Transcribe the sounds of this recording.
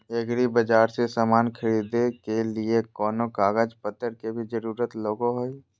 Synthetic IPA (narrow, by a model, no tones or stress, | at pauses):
eɡɾibəd͡ʒaːɾsesamaːnkʰəɾiːd̪ekeliekɔːnokaːɡəd͡ʒpət̪ːəɾkebʱid͡ʒəɾuːɾət̪loːɡoɦoi